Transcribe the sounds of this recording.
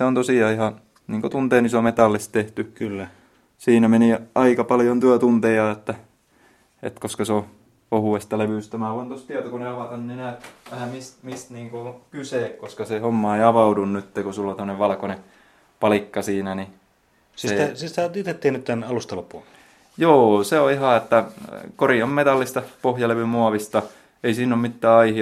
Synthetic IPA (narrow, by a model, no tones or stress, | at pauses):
seont̪osiɑːihɑ | niːŋkot̪unt̪eːnisomet̪ɑlːist̪t̪eht̪ykylːæ | siːnæmeniɑikɑpɑljont̪yøt̪unt̪ejɑet̪ːæ | ḛt̪koskɑseo | ohuest̪ɑleʋyˑst̪æmæːˑoɑnt̪ost̪iæt̪okoneɑʋɑˑt̪ɑnnenæːˑʋæhæmist̪mist̪niːŋkookyseˑkkoskɑsehomːɑeiɑʋɑudunnyt̪ːekusulːont̪mnːeʋʋɑlkone | pɑlikːɑsiːnæni | siesist̪æt̪it̪et̪ːiːnyt̪t̪ænɑlust̪ɑlopːul | joːseoihɑet̪ːækoriommet̪ɑlːist̪ɑpohjɑleʋymuɑʋist̪ɑ | eisiːnːommit̪ːæːɑihi